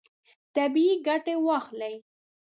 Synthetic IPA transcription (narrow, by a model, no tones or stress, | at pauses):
t̪abiiɡaʈewɑxlaj